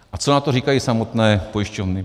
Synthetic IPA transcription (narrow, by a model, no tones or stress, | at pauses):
ʔat͡sonat̪oriːkajiːsamo̞t̪nɛːpojɪʃcovnɪ